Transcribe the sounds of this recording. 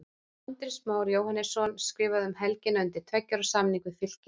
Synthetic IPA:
ant̪ɾɪsmaːwɾjoːwhanːɛsɔnskɾɪːvaðʏmɦɛlcɪnaʏnt̪ɪɾ̥t̪ʰvɛcːaɾasamniŋkʏfɪl̥cɪ

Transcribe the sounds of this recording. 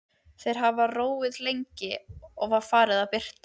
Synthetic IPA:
θejɾ̥ɦavaroːwɪðlejɲcɪɔɣvaɾ̥faːɾɪðawpɪr̥t̪

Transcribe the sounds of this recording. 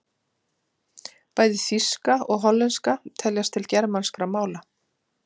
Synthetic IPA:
paːjðɪθiskaɔɣɦɔlːɛnskat̪ʰɛljast̪ʰɪlcɛɾmanskɾamaːwla

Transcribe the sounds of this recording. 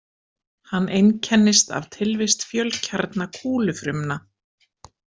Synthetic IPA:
hanːʔejncʰɛnːɪst̪a̰v̥t̪ʰɪlvɪst̪fjœlcʰaɾt̪nakʰuːlʏfɾʏmna

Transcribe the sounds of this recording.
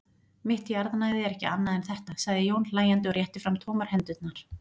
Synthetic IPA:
mɪht̪jaɾðanaːjɣðɪɛɾɛhcɪ̰anːaðɛnθɛht̪asaɣðɪjoːwnlaːjant̪ɪɔɾjɛht̪ɪfɾamt̪ʰowmaɾ̥hɛnt̪ʏt̪naɾ̥

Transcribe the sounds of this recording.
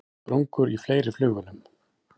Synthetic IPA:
pɾuŋkʏɾifleːjɾɪflʏːɣʏlʏm

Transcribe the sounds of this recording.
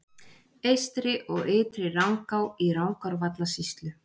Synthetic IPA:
ejst̪ɾɪʔɔɣɪːt̪ɾɪrawŋkawiɾawŋkʰɔɾvat̪lasist̪lʏ

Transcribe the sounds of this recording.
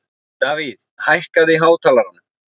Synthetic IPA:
t̪aːviðhajhkaðɪɦaːwt̪ʰaːlaɾanːa

